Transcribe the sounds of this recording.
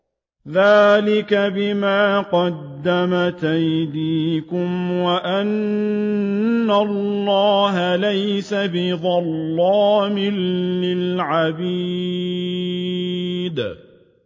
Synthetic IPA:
ðaːlɪkabɪmaːqɑd̪ːamat̪ajd̪iːkʊmwaʔan | alːɑːɦalajsabɪðˤɑlːɑːmɪlːɪlʕabi | d̪

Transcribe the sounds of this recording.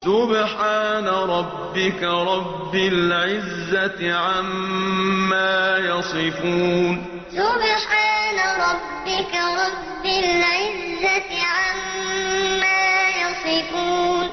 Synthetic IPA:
sʊbħaːnaɾˤɑbːɪkaɾˤɑbbːɪlʕɪzːat̪ɪʕamː | aːjɑsˤɨfuːn | sʊbħaːnaɾˤɑbːɪkaɾˤɑbːɪlʕɪzːat̪ɪʕamː | aːjɑsˤɪfuːn

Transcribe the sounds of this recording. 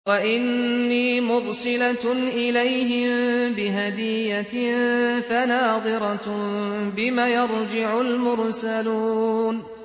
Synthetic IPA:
waʔɪnːiːmʊɾsˤɨlaʔɪlajɦɪmbɪɦad̪ɪjːa | fanaːd̪ˤɨɾɑ | bɪmaːjɑɾd͡ʒɪʕʊlmʊɾsaluːn

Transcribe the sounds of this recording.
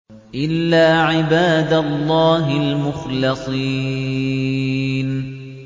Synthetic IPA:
ʔɪlːaːʕɪbaːd̪alˤːɑːɦɪlmʊxlɪsˤi | n

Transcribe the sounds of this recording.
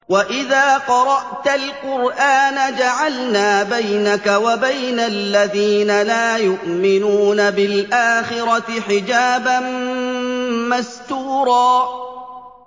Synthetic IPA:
waʔɪðaːqɑɾˤɑʔt̪alqʊɾʔaːnad͡ʒaʕalnaːbajnakawabajnalːaðiːnalaːjʊʔmɪnuːnabɪlʔaːxɪɾɑt̪ħɪd͡ʒaːban | mast̪uːɾɑː

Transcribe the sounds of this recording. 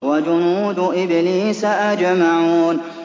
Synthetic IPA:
wad͡ʒʊnuːd̪ʊʔɪbɪliːsaʔad͡ʒmaʕuːn

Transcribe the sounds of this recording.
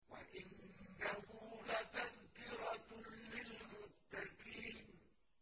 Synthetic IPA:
wa̰ʔɪnːahʊːlat̪aŋkɪɾɑlɪlmʊt̪ːaqiːn

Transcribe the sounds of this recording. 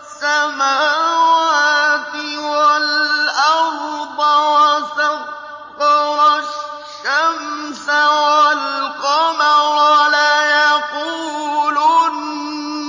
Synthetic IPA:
sːamaːwaaːt̪ɪwalʔafd̪ˤɑwasab | qawaʃː | amsawalqomawalaːjaquːluːn

